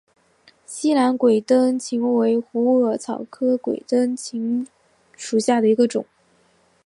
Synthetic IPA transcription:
ɕi˥la˧˥nkwe˨˩ɪt̪ə˥nt͡ɕʰi˧˥ŋwe˧˥ɪxu˧˥ɤ˧˥t͡sʰɑ˨˩ʊkʰɤ˥kwḛ˨˩ɪt̪ə˥nt͡ɕʰi˧˥ŋ | ʂu˨˩ɕja˥˩d̪ə˩i˧˥ɡə˧ʈ͡ʂʊ̰˨˩˦ŋ

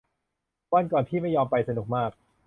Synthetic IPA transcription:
bɔː˧˥˩nkɔː˨˩npʰiː˥˩ma˥˩jːɔː˧mpa˧jsa˧nu˨˩k̚maː˥˩k̚

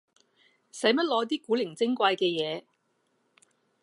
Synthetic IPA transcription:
sɐ˨˥jmɐ˥t̚lɔː˨˧˥t̪̬iː˥kuː˨˥lɪ˨˩ŋt͡sɪ˥ŋkʷaː˧jkɛː˧jɛː˨˧

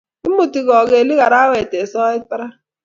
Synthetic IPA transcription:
i˦mu˨ti˨ɣɔ˨ɣe˨li˦ɣa˨ɾa˦we˨te˨sɔː˦i˦tɾa˦

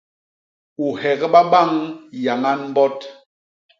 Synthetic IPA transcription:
u˨hɛ˨ɣɓa˦ɓa˦˨ŋja˨ŋa˦nm̩˦bɔ˦t

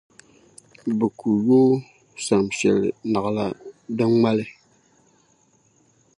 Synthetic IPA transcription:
bɛ˨ku˨joː˦ | sa˨mʃɛ˨lɪ̰˨na˨ɣla̰˦dɨ˦ŋma˦lɪ˦

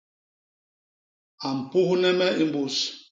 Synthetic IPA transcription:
a˨m̩˨pu˦hnɛ˦mɛ˦i˦m̩˦bu˦s

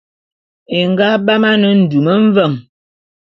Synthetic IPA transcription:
e˨ŋ˨ɡa˦ba˦ma˦nə˦n̩˨du˨mə˦ɱ̩˦və˦˨ŋ

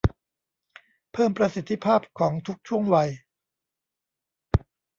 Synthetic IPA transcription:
pʰɤː˥˩mpɾa˧si˨˩t̪ʰːi˦˥pʰaː˥˩p̚kʰɔː˩˦ŋt̪ʰu˦˥k̚t͡ɕʰu˥˩əŋwa˧j

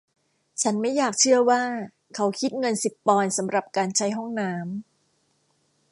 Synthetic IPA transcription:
t͡ɕʰa˦˥nma˥˩jaː˨˩k̚t͡ɕʰɯ˥˩ɐwaː˥˩ | kʰa˦˥wkʰi˦˥t̪̚ŋɤ˧nsi˨˩ppːɔː˧nsa˩˦mɾa˨˩p̚kaː˧nt͡ɕʰa˦˥jɦɔ˥˩ŋnaː˦˥m

